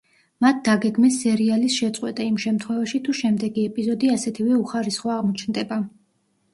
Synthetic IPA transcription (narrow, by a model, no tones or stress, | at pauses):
mat̪̚ʰd̪aɡɛɡmɛsːɛɾialisʃɛt̪sʼwɛt̪ʼaimʃɛmt̪ʰχwɛvaʃit̪ʰuʃɛmd̪ɛɡiɛpʼizɔd̪iasɛt̪ʰivɛuχaɾisχwaːʁmɔt͡ʃʰnd̪ɛba